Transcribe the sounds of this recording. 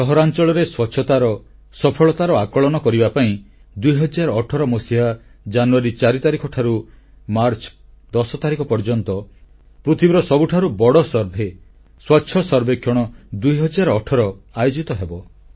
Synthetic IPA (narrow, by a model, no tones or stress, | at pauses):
ɔɦɔɾant͡ʃɔɭɔɾeswɔtːʃʰɔt̪aɾɔ | sɔpʰɔɭɔt̪aɾɔakɔɭɔnɔkɔɾibapaĩ | d̪ujɦɔd͡ʒaɾɔʈʰɔɾɔmɔsiɦa | d͡ʒanuaɾit͡ʃaɾit̪aɾikʰɔʈʰaɾu | maɾt͡ʃɔ̥ | d̪ɔsɔt̪aɾikɔpɔɾd͡ʒɔnt̪ɔ | pɾut̪ʰibɾɔsɔbuʈʰaɾubɔɽɔsɔɾbʱe | swɔtːʃʰɔsɔɾbʱekʰjɔɽ̃ɔd̪ujɦɔd͡ʒaɾɔːʈʰɔɾɔajod͡ʒit̪ɔɦebɔ